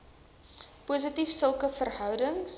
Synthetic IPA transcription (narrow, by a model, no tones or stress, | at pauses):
puːs̬ətifsəlˠkəfərɦœwdəŋs